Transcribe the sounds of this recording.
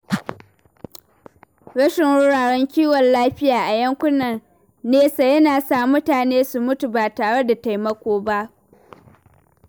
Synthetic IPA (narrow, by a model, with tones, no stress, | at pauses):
ɽɐ˦ʃɪ˨ŋwʊ˦ɽaː˨ɽɛ˦ŋkʲiː˦wɔ˨nlaː˦ɸɪ˦jaː˨ʔa˨jɐ˦ŋkʷʊ˦nɐ˨n | neː˦sa˨jɐ˦naː˨sa˦˨mʊ˦taː˨neː˦su˨mʊ˦tu˨baː˨taː˨ɽe˦da˨ta˨jmɐ˦kʷoː˦ba˦ʔ